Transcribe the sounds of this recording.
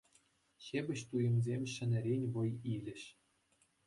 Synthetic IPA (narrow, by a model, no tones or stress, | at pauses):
ɕebʲɘ̆ɕt̪ujɤ̆mzʲemʲɕɘ̆nʲɘ̆ɾʲenʲʋɤ̆jilʲɘ̆ɕ